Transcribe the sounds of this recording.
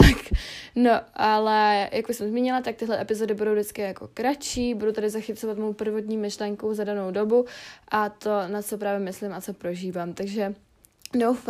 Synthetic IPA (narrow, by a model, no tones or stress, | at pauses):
t̪akno̞ʔalɛjakbʊsɛmzmiːɲɪlat̪ak̚t̪ɪɦlɛʔɛpɪzo̞dɪbudo̞wdɪt͡skɪjako̞̰kɾat͡ʃiːbudut̪adɪzaxɪt͡sovat̪mo̞jpr̩vot̪̬ɲiːmɪʃlɛŋkuzadano̞wdo̞buʔat̪o̞nat͡so̞p̬ɾaːvjɛmɪslɪmʔat͡so̞pɾo̞ʒiːvaːmt̪aɡʒɛ | nowf